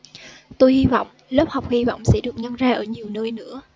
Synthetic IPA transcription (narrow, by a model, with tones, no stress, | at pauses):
t̪o˧jhi˧vɔ̰˧˨wŋ͡mlə˦˥p̚ha˨˩wk͡p̚hi˧va̰˧˨wŋ͡msɛ̰˧˥ɗɨ˨˩ək̚ɲə˧nzaː˧ʔəː˧˩ɲi˨˩əwnəː˧jnɨ̰˧˥ə